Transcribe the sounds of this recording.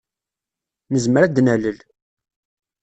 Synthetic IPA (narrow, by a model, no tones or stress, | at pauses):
nəzməɾæd̪næləl